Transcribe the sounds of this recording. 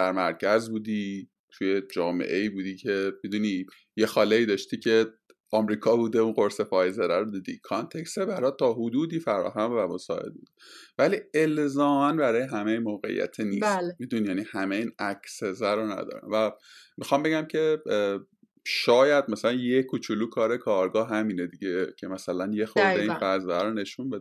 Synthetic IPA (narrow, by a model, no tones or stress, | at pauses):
sæɾmæɾcʰæzbuːd̪iː | t̪ʰujed͡ʒɒːmḛʔe̞iːbuːd̪iːcʰe̞mid̪uni | jexɒːleiːd̪ɒʃt̪iːcʰe̞ | ʔɒmɾiːkʰɒːbuːd̪e̞unɢo̞ɾsefɒːjzeɾæɾod̪iːd̪ḭkʰɒnt̪ʰekst̪ebæɾɒːt̪ʰɒːɦod̪uːd̪iːfæɾɒ̰ːɦæmvæmosɒːʔe̞̰d̪̚buːd̪e̥væliːe̞lzɒːmænbæɾɒːjeɦæmejmoːɣe̞̰ḭjːæ̰t̪ʰeniːst̪ːmid̪uninjænihæmeiːnæcʰsezæɾonæ̰d̪ɒ̰ːɾæ̰mvæmixɒmbe̞ɟæmcʰe̞ | ʃɒːjæd̪̚mæsælænjekʰut͡ʃʰuluːkʰɒːɾe̞kʰɒːɾɡɒːɦɦæmiːned̪iɟecʲʰe̞mæsælænjexoɾeiːnfæzæɾone̞ʃunbe̞d̪e